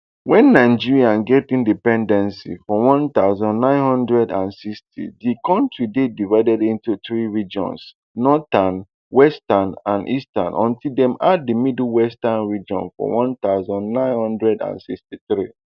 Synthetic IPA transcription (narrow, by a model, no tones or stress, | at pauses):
wɛ̃nːaɪd͡ʒiɹiãnɡɛtĩndipɛ̃ndɛ̃nsḭfɔwɔ̃nt̪aʊzɔ̃nːãɪ̃nhɔ̃ndɹɛdãnsikstʰḭdikɔ̃ntɹidedivaɪdɛdĩntutɹiɹid͡ʒɔ̰̃ns | nɔtan | wɛstanãnʔistã̰nʔɔ̰̃ntʰildɛ̃madimidlwɛstãnɹid͡ʒɔ̰̃nfɔ̰wɔ̃nt̪aʊzɔ̃nːãɪ̃nhɔ̃ndɹɛdã̰nsikstiθɹi